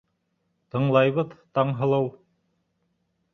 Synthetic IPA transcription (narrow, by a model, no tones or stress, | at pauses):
t̪ɤ̆ɴlˠɑjβɤðt̪ɑɴɦɤ̆lˠɤw